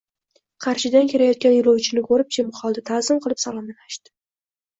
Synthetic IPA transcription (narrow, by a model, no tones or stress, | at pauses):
qʰɑɾʃɪd̪ankʲʰe̞ɾajɒt̪̚kʲanjʊɾowt͡ʃʰɪnɪkʰɵɾɪp̚t͡ʃʰemχɒlˠd̪at̪ʰazɪmqʰɨlˠɪpsalˠɒmalaʃt̪ɪ̥